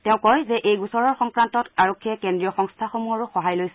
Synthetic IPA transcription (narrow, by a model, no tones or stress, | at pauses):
tɛʊ̃kɔjzɛʔejɡusɔɹɔɹxɔŋkɹantɔtaɹɔkʰːiɛkendɹijɔxɔŋstʰaxomuɦɔɹʊxɔɦajlojs